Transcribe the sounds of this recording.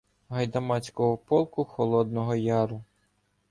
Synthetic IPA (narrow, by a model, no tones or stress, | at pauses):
ɦɐjd̪ɐmɑt͡sʲkɔɦɔpɔlˠkʊxɔlˠɔd̪nɔɦɔjɑɾʊ